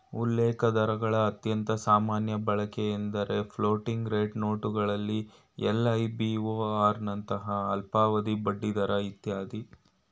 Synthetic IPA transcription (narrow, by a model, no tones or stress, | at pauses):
ulːɛːkɐd̪ɐɾɐɡɐɭɐːt̪jɐnt̪ɐsaːmaːnjɐbɐɭɐkeːnd̪ɐɾe̞pʰloːʈiŋɡɾeːʈnoːʈuɡɐɭɐlːi | ɛlːɐjbioːaːɾnɐnt̪ɐɦɐːlpaːʋɐd̪ibɐɖːid̪ɐɾɐit̪jaːd̪i